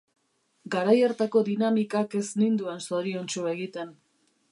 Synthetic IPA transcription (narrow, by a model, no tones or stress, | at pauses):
ɡaɾaje̞ɾt̪ako̞ðinamikake̞snind̪ue̞nso̞ɾio̞nt͡ʃue̞ɣit̪e̞n